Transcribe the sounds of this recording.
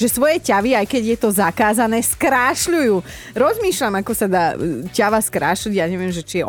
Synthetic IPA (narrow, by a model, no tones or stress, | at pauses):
ʒɛsʋɔjɛcaʋiajkɛɟjɛt̪ɔzakaːzanɛːskɾaːʃʎujuː | ɾɔzmiːʃʎamakɔsad̪aːcaʋaskɾaːʃliɟjaːɲɛʋɪɛmʒɛt͡ʃijɛ